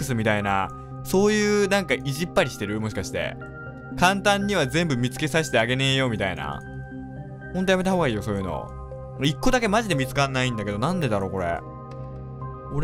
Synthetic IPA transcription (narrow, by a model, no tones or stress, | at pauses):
ɯ̟sɨmʲit̪aina̰ | so̞ːjɯ̟ːnãŋkaʔiʑipːaɾʲiɕi̥t̪e̞ɾɯ̟mo̞ɕi̥kaɕi̥t̪e̞̰ | kãnt̪ãɲ̟ːiβ̞azẽ̞mbɯ̟mʲit͡sɨ̥ke̞saɕi̥t̪e̞aɡe̞ne̞jo̞mʲit̪aina̰ | hõnt̪o̞jame̞t̪̬ahoːɡaiːjoso̞ːjɯ̟no̞̰ | ikːo̞d̪ake̞maʑid̪e̞mʲit͡sɨ̥kãnːaĩnd̪ake̞d̪o̞nãnd̪e̞d̪aɾo̞ko̞ɾe̞̰ | oɾ